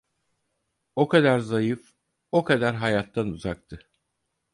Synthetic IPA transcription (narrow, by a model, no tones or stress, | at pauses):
o̞kʰad̪aɾzajɯf | o̞kʰad̪aɾɦajat̪ʰːanuzak̚t̪ʰɯ